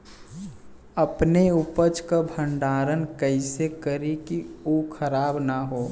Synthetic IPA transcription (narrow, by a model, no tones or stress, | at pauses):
əpneupət͡ʃkabʱə̃ɳɖaːɾənkəɪsekəɾikiuːkʰəɾaːbnaɦoː